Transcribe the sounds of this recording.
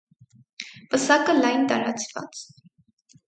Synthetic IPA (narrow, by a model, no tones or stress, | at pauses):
pəsakəlajnt̪aɾa̰t͡si̥fa̰t͡s